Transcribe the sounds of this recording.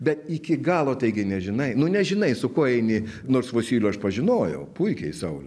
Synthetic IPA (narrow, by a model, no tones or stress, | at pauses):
bʲɛt̪ɪkʲɪɡɑːlˠoːt̪ɐɪɡʲɪnʲɛʒʲɪnɐɪnʊnʲɛʒʲɪnɐɪsʊkoːɛɪnʲɪnoːrsʋoːsʲiːlʲʊɐʃpɐʒʲɪnoːjɛ̰ʊpʊɪkʲɛɪsɐʊlʲʊ